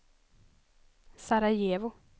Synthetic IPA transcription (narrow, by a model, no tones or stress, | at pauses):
saɾajeːvʊ